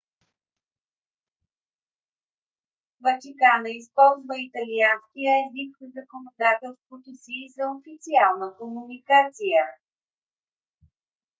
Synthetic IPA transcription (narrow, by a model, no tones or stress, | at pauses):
vət͡ʃikanəispɔlˠzvəit̪ɐlianskʲijəɛzikzɐkonod̪at̪ɛlˠst̪vot̪osizɐofit̪sialˠnəkomunikat̪sijə